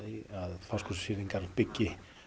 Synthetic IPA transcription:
ðiaðfaskʰɔssɪːðiŋkaɾpɪcːɪ

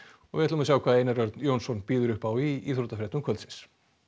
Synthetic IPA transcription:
ɔɣvɪɛt̪lamasjawkʰaːðejnaɾœɾt̪njownsɔnpiːðʏɾʏhpawiḭθɾot̪afɾɛht̪nʏmkʰœlt̪sɪns

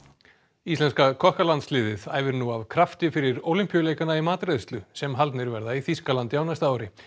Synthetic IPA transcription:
ist̪lɛnskakʰɔhkalant̪slɪːðɪðaːjvɪɾnuavkʰɾaft̪ɪfɪɾɪɾoːwlim̥pjʏleːjkanaimaːt̪ɾɛðst̪lʏsɛmɦalt̪nɪɾvɛɾðaiθiskalant̪jaːwnast̪aːwɾɪ

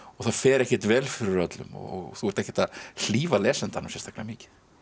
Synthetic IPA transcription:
ɔɣθaðfɛːɾɛhcɪt̪vɛːlfɪɾɪɾœt̪lʏ̰mɔ̰ɔ̰ɣθuɛɾ̥t̪ɛhcɛ̥t̪aðl̥iːvalɛːsɛnt̪anawsɛst̪ḁklamiːcɪ̥θ

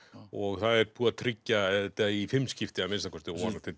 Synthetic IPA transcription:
ɔɣθaðɛɾpuːɾat̪ʰɾɪcːaɛt̪aifɪmːscɪft̪ɪamɪnst̪akʰɔst̪ɪɔɔnat̪ʰɪ

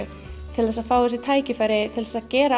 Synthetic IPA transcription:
t̪ʰɪlθɛsaðfaːwɛs̬ɪt̪ʰaːjcɪfajɾɪt̪ʰɪlθɛsaðcɛːɾa

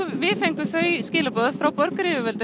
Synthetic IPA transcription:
vɪfejŋkʏθœɥscɪːlapɔːððfɾawpɔɾkɾɪːvʏvɛlt̪

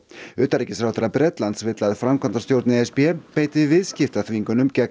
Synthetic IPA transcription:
ʏːt̪aɾicɪsɾawt̪ɪɾabɾɛt̪lant̪svɪt̪laðfɾamkʰɔnt̪ḁst̪jowɾt̪nɪɛspiɛpeːjt̪ɪvɪðscɪft̪aθviŋkʏnʏmcɛ

